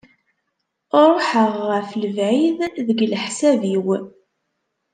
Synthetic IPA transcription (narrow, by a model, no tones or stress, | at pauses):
oɾˤoħəʁːəfləvʕiððəɡlħsæviw